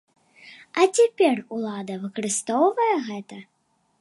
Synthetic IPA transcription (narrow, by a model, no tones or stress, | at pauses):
ɐt͡sʲapʲɛrulˠad̪ɐvɨkɐɾɨst̪ɔwvɐjɛɣɛt̪ɐ